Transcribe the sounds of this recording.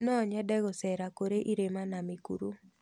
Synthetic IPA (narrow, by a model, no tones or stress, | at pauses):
nɔɲɛdɛɡɔsɛɾakoɾeʔiɾemanamikṵɾu